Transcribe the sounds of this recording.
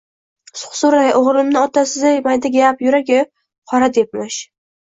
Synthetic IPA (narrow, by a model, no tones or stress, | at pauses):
sʊ̥χsʊɾajʔoʁɾɪmnɪɒt̪ʰasɪzajmajd̪aɡʲapjʊɾaɡʲɪ | qʰɒɾad̪ep̚mɪʃ